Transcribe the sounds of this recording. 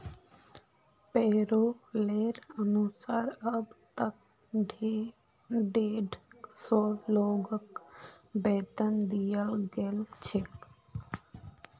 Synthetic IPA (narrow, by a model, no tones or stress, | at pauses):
peːɾoleːɾənusaːɾəbt̪ək̚ | ɖʱe | ɖeːɖsɔːloːɡək | bɛːt̪ənd̪ijəlɡeːlt͡ʃʰek